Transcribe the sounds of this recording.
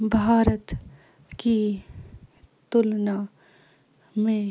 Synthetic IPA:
bʱaːɾət̪ | ki | t̪ʊlna | mẽ

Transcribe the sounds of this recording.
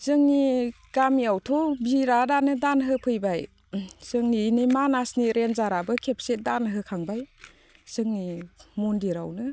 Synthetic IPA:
z̥ɯŋni | ɡ̥amiawtʰɔbiɾadanɯdanɦɯpʰɯjbaj | z̥ɯŋninɯmanasniɾenzaɾabɯkʰep̚set̚danɦɯkʰaŋbaj | z̥ɯŋnimundiɾa̰wnɯ

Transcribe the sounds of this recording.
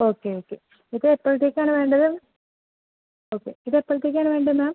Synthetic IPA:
oːkːeoːkːe̞ | iðɨepːoɭt̪ːikʲːaːnɨʋe̞ːɳɖɐðɨ | oːkːe̞̰iðepːoɭt̪ːikʲːaːɳɨʋeːɳɖɐðmaːm

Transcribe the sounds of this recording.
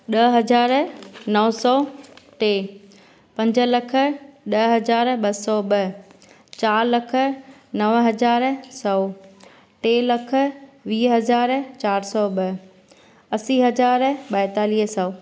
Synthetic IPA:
ɗɐɦɐd͡ʑaːɾnɐʋsɔːʈeː | pɐ̃ɲd͡ʑə̆lɐkʰə̆ɗɐɦɐzaːɾɓɐsɔːɓɐ | t͡ɕaːɾlɐkʰə̆nɐʋɦɐd͡ʑaːɾsɐː | ʈeːlɐkʰə̆ʋiːɦɐzaːɾt͡ɕaːɾsɔːɓɐ | ɐsiːɦɐd͡ʑaːɾɓɐɪt̪aːliːɦsɐː

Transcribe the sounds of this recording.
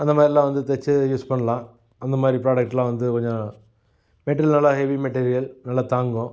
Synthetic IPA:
ɐnd̪ɐmaːɾɐlːaːʋɐnd̪ɨt̪et͡ɕːɨjuːspɐɳɐɭːa | ɐnːɐmaːɾipɾoːɖɐk̚ʈːiɭaːʋɐnd̪ɨpɐɣɐɲːa | meʈːilnɐɭːɐheʋimɐʈːeːɾijɐlnɐɭːɐt̪aːŋɡoː

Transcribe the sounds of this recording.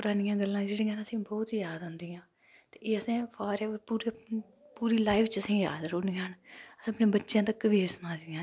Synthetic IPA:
pʊɾaːnɪjãːɡəlːãːd͡ʒeːɽĩːãːnəsĩːbɔːt̪jaːd̪ɦʊ̃nd̪iːãː | t̪eːeːəsẽːpʰaːɾɛːʋəɾpuːɾe | puːɾiːlaːɪft͡ʃəsĩːja̰ːd̪ɾoːniːənəsãːəpnẽːbətːʃjãːt̪ekəʋiːɾsənãːd̪iːãː

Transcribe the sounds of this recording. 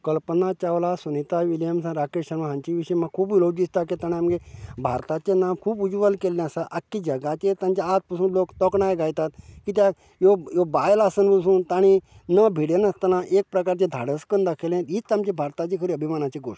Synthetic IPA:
kəlpənat͡ɕaʋlasunit̪aʋiljəmsãɾakeəɾmaɦãɲt͡ɕiʋiʂəjmãkʰuːbʋilod̪ist̪aket̪aɽ̃iamɡebʱa̰ɾt̪at͡ɕenamkʰuːbud͡ʒʋəlkelːẽəsaʔakːid͡ʑəɡat͡ɕet̪ãmt͡ɕaat̪̚pəsũːnloːkt̪ɔkɳajɡajt̪at̪kit̪ja | jojobajlasənbəs̬ũːnt̪aɽ̃i | nəbʱiɽjenəst̪ənãʔek̚pɾəkaɾt͡ɕed̪ʱa̰ɽəskənd̪akʰelẽit͡st̪amt͡ɕebʱaɾt̪at͡ɕekʰəɾiəbʱimanat͡ɕeɡo̰ʂ

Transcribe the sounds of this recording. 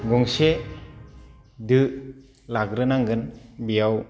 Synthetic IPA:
ɡɔŋse | dɯ | laɡɾɯnaŋɡɯnbijaw

